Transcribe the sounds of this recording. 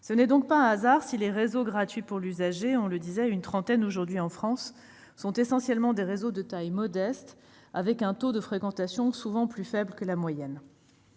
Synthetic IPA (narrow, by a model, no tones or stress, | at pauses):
sənɛd̪ɔ̃k̚paɛ̃azaʁsileʁezoɡʁat̪ɥipuʁlyzaʒeɔ̃ləd̪izɛynt̪χɑ̃t̪ɛnoʒuʁd̪ɥiɑ̃fχɑ̃sː | ɔ̃t̪esɑ̃sjɛlmɑ̃d̪eʁezod̪ət̪ajmɔd̪ɛst̪ | avɛkɛ̃t̪od̪əfχekɑ̃t̪asjɔ̃suvɑ̃plyfɛbləkəlamwajɛn